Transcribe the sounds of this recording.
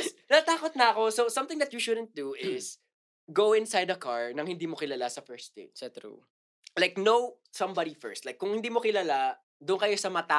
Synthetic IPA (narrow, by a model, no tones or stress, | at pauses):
nɐt̪aːkot̪̚nɐɐko̞sowsɐ̃mt̪ɪ̃ŋd̪ɐt̪juʃʊd̪ənt̪̚d̪uʔɪs | ɡowɪ̃nsajd̪ɐkaɹnɐŋhɪ̃nd̪iːmokɪlalasɐfɛɹst̪ḛt̪st̪ṵ | lajk̚now | sɐ̃mbad̪ifɛ̰ɹst̪̚lajkːʊŋhɪnd̪iːmokɪlala | d̪ʊnkɐjo̞sɐmɐt̪a